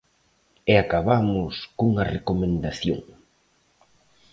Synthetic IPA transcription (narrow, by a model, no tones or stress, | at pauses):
eakaβamʊskouŋɐrekomẽnd̪aθjo̰ŋ